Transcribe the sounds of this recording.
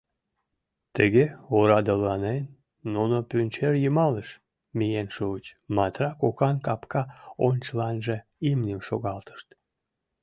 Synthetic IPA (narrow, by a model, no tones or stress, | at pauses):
t̪əɣeoɾɑd̪əlɑnenː | unopynʲt͡ɕerjumɑleʃ | mijenʃuət͡ɕmɑt̪rɑkokɑnkɑpkɑonʲt͡ɕəlɑnʒeimnʲimʃoɣɑlt̪ə̥ʃt̪